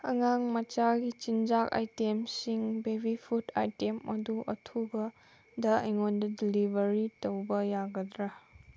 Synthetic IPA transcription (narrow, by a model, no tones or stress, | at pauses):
ɐŋaŋmɐt͡ʃaɡit͡ʃind͡ʒaka̰jtemsiŋbebipʰutʰa̰jtemɐ̰duʔɐtʰubɐ | dɐɐjŋondɐdilibɐɾitowbɐjaɡɐdɾa